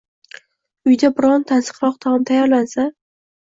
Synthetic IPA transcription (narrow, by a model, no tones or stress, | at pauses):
ʊjd̪abɪɾɒnt̪ʰansɨ̥qɾɒq̚t̪ʰamt̪ʰajaɾlansa